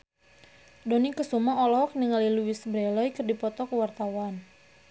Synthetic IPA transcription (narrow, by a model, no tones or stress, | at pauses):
donikəsumaɔlɔk̚niŋaliluwisbɾɛlɔjkərdipɔt̪ɔkəwart̪awan